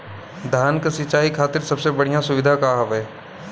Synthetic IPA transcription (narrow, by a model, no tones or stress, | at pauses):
d̪ʱjaːnkɐsɪt͡ʃaːikʰaːt̪ɪɾsɐbsebɐɽ̤ijãsʊʋɪd̪ʱakaɦɐʋeː